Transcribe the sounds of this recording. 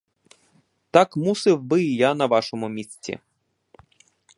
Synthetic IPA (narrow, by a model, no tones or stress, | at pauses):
t̪akmusɪwbɪjanɐʋɑʃɔmʊmʲisʲt͡sʲḭ